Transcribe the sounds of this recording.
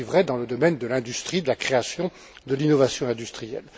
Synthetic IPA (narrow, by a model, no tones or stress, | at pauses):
ivʁɛd̪ɑ̃ləd̪ɔmɛnd̪əlɛ̃d̪yst̪χid̪əlakχeasjɔ̃ | d̪əlinɔvasjɔ̃ɛ̃d̪yst̪χijɛ̰l